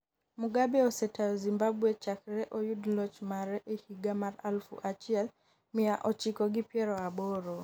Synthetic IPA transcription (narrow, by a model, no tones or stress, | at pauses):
muɡabɛɔsɛtaɔzimbabwɛt͡ʃakɾɛʔojudlɔt͡ʃmaɾɛʔehiɡamaɾalfṵʔat͡ʃiɛl | mijaʔɔt͡ʃikɔɡɪpjɛɾɔabɔɾɔ